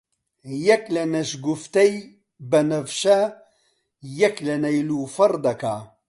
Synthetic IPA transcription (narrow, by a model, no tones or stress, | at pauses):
jɐklɐnɐʃɡuft̪ɐj | bɐnɐvʃɐ | jɐklɐnɐjlufɐɾd̪ɐka